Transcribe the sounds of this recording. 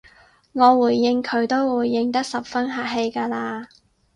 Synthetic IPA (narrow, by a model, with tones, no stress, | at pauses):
ŋɔː˨˧wuː˨˩jːɪ˧ŋkʰɵ˨˧ɥt̪o˥wwuː˨˩jːɪ˧ŋt̪̬ɐ˥k̚sɐ˨p̚fɐ˥nɦaː˨˩ʔ̚ɦe˧jkaː˧laː˧